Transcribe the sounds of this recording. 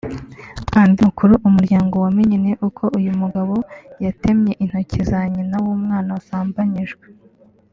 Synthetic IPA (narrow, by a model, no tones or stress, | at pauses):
kandiukuɾuʔumuɾɟaːŋɡo̞wamiɲineʔukʰo̞ʔujumuɡaβo̞jate̞mɲe̞ʔin̥hocʰizaɲinawumŋaːnasaːmbaɲiʒɡwe